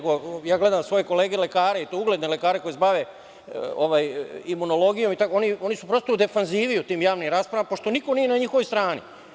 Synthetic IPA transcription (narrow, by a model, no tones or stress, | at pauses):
ɡo̞jaːɡle̞d̪amsʋo̞je̞ko̞le̞ːɡele̞kaːɾeit̪ouɡle̞d̪ne̞lekaːɾe̞ko̞jebaʋe̞ | oʋajimuno̞lo̞ɡijo̞mit̪ako̞nio̞nisupɾo̞st̪oud̪e̞fanziːʋijut̪iːmjaːʋnimɾaːspɾaʋampo̞ʃt̪o̞niko̞nije̞naɲixo̞ʋost̪ɾaːnḭ